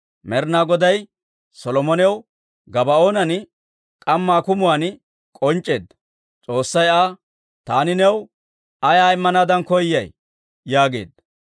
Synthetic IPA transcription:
mɛɾnaːɡɔd̪ɐj | sɔlɔmɔnɛw | ɡɐbɐoːnɐn | kʼɐmːaːkʊmʊwaːn | kʼɔnt͡ʃʼːe̞ːd̪ | t͡sʼo̞ːsːɐjaː | t̪aːnɪnɛw | ɐjaːɪmːɐnaːd̪ɐnkɔjːɐj | jaːɡe̞̰ːd̪

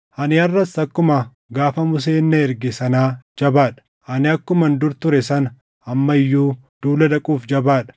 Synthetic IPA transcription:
hɐnɪɐrːɐsɐkːʊmɐ | ɡaːfɐmʊs̬e̞ːnːɐɛɾɡɛsɐnaːd͡ʒɐbaːᶑɐ̥ | hɐnɪɐkːʊmɐnd̪ʊɾt̪ʊɾɛsɐnɐ | ɐmːɐɪjːuː | d̪̥uːlɐd̪ɐkʼuːfd͡ʒɐbaːᶑɐ̥

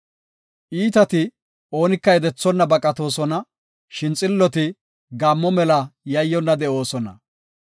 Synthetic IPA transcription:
ʔiːt̪ɐt̪ɪ | o̞ːnɪkːɐjɛd̪ɛt͡sːɔnːɐbɐkʼɐt̪o̞ːsɔnɐ | ʃɪnt͡sʼɪlːɔt̪ɪ | ɡaːmːɔmɛlɐjɐjːɔnːɐd̪ɛʔo̞ːsɔnɐ̰

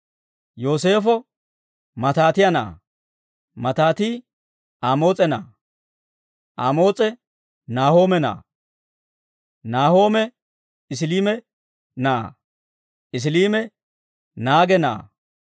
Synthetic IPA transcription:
jo̞ːse̞ːfɔ | mɐt̪aːt̪ɪjɐna̰ː | mɐt̪aːt̪iː | aːmo̞ːt͡sʼɛna̰ː | ʔaːmo̞ːt͡sʼɛ | naːho̞ːmɛna̰ː | naːho̞ːmɛ | ɪs̬liːmɛ | naː | ɪs̬liːmɛ | naːɡɛna̰ː

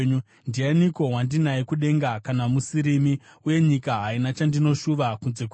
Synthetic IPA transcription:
ndianiko̞ɦwandinaikuɗe̞ŋɡakanamusiɾimiuje̞ɲikaɦainat͡ʃandino̞ʃuʋakunze̞k

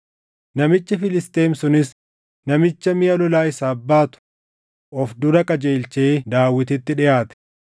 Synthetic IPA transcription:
nɐmɪt͡ʃːɐfɪlɪst̪e̞ːmsʊnɪs | nɐmɪt͡ʃːɐmɪjɐlɔlaːɪsaːbːaːt̪ʊ̥ | ʔɔfd̪ʊɾɐkʼɐd͡ʒe̞ːlt͡ʃeːd̪aːwːɪt̪ɪt̪ːɪᶑɪjaːt̪ɛ̥

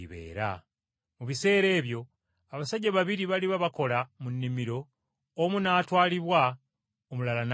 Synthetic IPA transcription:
iβe̞̰ːɾa̰ | muβise̞ːɾe̞ːβjo̞ | aβasaɟaβaβiɾiβaliβaβako̞lamunːimiɾo̞ː | munaːtwaːliβwa | omulalan

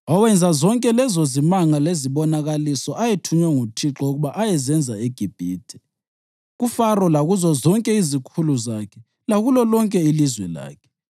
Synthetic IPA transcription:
ɔwɛnd͡zʱazɔŋkʼɛlɛzozimaŋaleziβɔnaɣalisɔʔajetʰuɲwɛŋutʰiǁɔuɣuβaʔajɛzɛnd͡zʱaeɡ̥ʱib̥ʱiːtʰʼɛ̥ | ɣufarɔlaɣuzɔzɔŋkʼɛizikʰuluzakʰɛ̥ | laɣulɔlɔŋkʼɛilizwɛla̰ːkʰɛ̥

